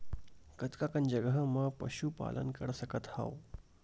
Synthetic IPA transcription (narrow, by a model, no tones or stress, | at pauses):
kət̪kakənd͡ʒəɡəɦəməpəɕupa̰lʔə̰nkəɽsəkət̪ha̰w